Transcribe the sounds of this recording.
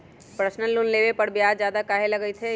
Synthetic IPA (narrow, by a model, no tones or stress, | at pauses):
pɾəsnəlʊnleːʋepɐɽbʱijaːzjaːd̪akaɦelɐɡəit̪ʰe